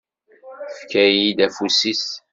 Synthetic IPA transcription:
fkæjid̪æfusis

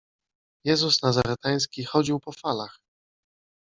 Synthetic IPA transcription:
jɛzusnazaɾɛt̪aj̃skʲixɔd͡ʑiwpɔfalax

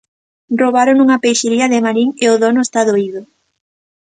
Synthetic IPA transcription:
rroβaɾonuŋɐpejʃeɾiɐðɪmaɾiŋeoðonʊest̪aðoiðʊ

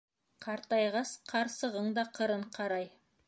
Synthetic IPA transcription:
qʰɑɾt̪ɑjʁɑsqʰɑɾsɤ̆ʁɤɴd̪ɑqʰɤ̆ɾɤɴqʰɑɾɑj

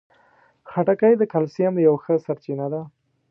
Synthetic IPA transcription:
xaʈakajd̪əkalsijamjawxəsaɾt͡ʃinad̪a

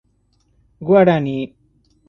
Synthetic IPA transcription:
ɡuaɽani

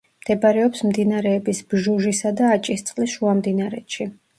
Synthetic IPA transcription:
md̪̥ɛbaɾɛɔpsmd̪inaɾɛːbisb̥ʒuʒisad̪aːt͡ʃʼist̪sʼqʼlisʃuamd̪inaɾɛt̪ʃi

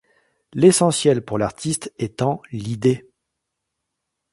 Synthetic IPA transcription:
lesɑ̃sjɛlpuʁlaʁt̪ʰist̪ɛt̪ɑ̃lid̪e

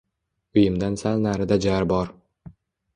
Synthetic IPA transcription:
ʊjɪmd̪ansalˠnaɾɪd̪ad͡ʒaɾbɒɾ

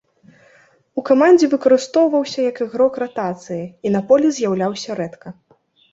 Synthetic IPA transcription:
ukamanʲd͡zʲɛvɨkɐɾɨst̪ɔwvɐwsʲɐjɐkɨɣɾɔkrat̪at̪sɨjɐinɐpɔlʲɛzʲjawlʲawsʲɐɾɛt̪kɐ

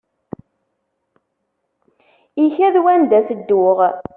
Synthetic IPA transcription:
içæðwænd̪æsəd̪ːʊʁ

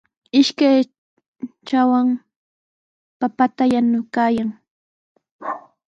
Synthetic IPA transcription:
ɪʃkaj | t͡ʃawaŋ | papat̪ajanʊkaːjaŋ

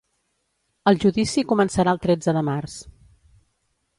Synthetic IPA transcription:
əlˠʒuðisikumənsəɾaəlˠt̪ɾɛd͡zəðəmars

